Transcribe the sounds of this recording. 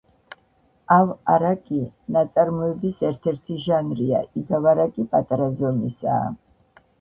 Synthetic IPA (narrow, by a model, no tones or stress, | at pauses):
avaɾakʼinat̪sʼaɾmɔɛbisɛɾt̪ʰɛɾt̪ʰiʒanɾia̰ʔiɡavaɾakʼipʼat̪ʼaɾazɔnisa̰ː